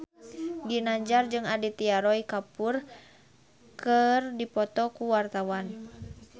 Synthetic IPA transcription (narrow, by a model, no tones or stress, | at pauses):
ɡinaɲd͡ʒard͡ʒɨŋadit̪iaɾɔikapur | kərdipɔt̪ɔkuwart̪awan